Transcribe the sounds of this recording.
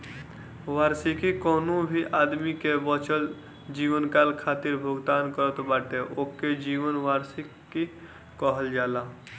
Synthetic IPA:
ʋaːɾsikikɔːnũbʱiʔaːd̪mikebɔːt͡ʃəl | d͡ʒiːʋənkaːlkʰaːt̪ɪɾbʱʊɡt̪aːnkəɾət̪baːʈeʔoːkːed͡ʒiːʋənʋaːɾsikki | kɔɦəld͡ʒaːlaː

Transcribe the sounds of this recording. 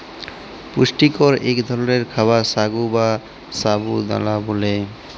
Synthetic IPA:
puʃʈikɔɾḛkd̪ʱɔlɔɾeɾkʰabasaɡuba | sabud̪a̰labole

